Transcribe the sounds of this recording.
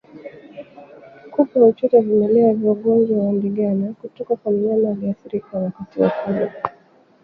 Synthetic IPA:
kupaɔt͡ʃɔtɛvimɛlɛaviɔɠɔnd͡ʒwawam̩biɡanakutɔkakwamilianaaliaθiɾikawakatiwa̰kula

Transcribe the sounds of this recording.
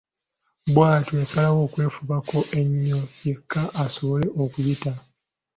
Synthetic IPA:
bwaːtojasalawo̞ːkwe̞ːfuβako̞ʔe̞ɲːo̞je̞kʰːaʔːso̞βo̞le̞ʔo̞kujita

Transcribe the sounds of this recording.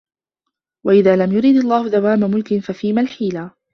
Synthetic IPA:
waʔɪðaːlamjʊɾiːd̪ɑlˤːaːhʊðawaːmamʊlkɪnfafiːmalħiːlaː

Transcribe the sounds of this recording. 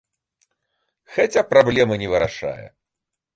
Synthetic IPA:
xat͡sʲapɾablʲɛmɐnʲɛvɨɾaʂa̰jɛ̰

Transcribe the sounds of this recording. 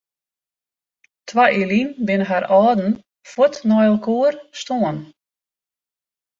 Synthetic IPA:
tʰʋaʔilinbɪnəɦaɾɔːdn̩ | fɔtnɔjəlˠkʰoərstoən

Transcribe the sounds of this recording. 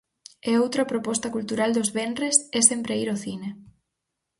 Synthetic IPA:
ɛowt̪ɾɐpɾopɔst̪ɐkult̪uɾald̪ozβenresɛsempɾeiɾoθine

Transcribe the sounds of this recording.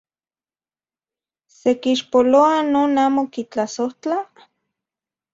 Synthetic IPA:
sekiʃpoloanoːnaːmokit͡ɬasoht͡ɬa

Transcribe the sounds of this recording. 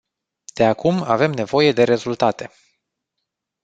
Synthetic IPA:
d̪̥e̞akumave̞mne̞vo̞je̞d̪e̞ɾe̞zult̪at̪e̞

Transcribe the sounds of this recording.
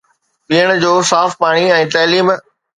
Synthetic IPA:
ɓiːəɽ̃d͡ʑoːsaːfpaːɽ̃iɛ̃ːt̪ɐːliːm

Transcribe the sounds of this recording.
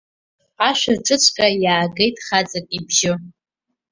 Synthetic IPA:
aʃʷᶣarʈ͡ʂʼɨt͡ɕʷʰʼkʼajaːɡe̞jtʼχat͡sʼakʼibʒɪ

